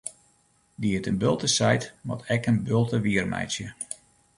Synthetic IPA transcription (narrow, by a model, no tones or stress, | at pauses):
diətənbølˠtəsɛjtmɔ̰tʰɛkənbølˠtəʋiərmɛ̰jsjə